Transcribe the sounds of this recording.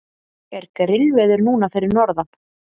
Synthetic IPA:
ɛɾkɾɪlvɛðʏɾnuːnafɪːɾɪɾnɔɾða

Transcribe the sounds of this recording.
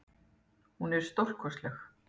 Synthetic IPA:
hunɛɾ̥st̪owl̥kʰɔst̪lɛx

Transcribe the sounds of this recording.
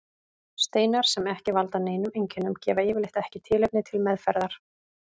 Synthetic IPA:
st̪eːjnaɾ̥sɛmɛhcɪvalt̪aneːjnʏmejɲcʰɪnːʏmcɛːvaɪːvɪɾlɪjht̪ɛhcɪt̪ʰɪːlejp̚nɪt̪ʰɪlmɛðfɛɾðaɾ̥

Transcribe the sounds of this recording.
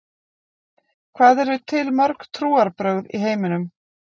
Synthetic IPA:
kʰvaːðɛɾvʏt̪ʰɪlmœɾkt̪ʰɾuːaɾpɾœwðḭɦeːjmɪnʏm

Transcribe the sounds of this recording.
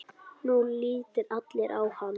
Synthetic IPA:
nunliːt̪ɪɾat̪lɛɾʔawhan

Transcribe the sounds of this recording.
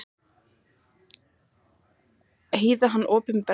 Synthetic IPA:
heːjðaɦanːʔɔːpɪnpɛ

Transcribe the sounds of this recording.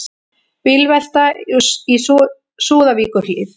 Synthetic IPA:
pɪlvɛl̥t̪ais | suːðaviːkʏrlɪθ

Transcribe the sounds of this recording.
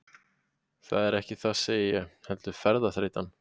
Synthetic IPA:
θaðɛɾɛhcɪθaseːjɪjɛhɛlt̪ʏɾ̥fɛɾðaθɾeːjt̪an

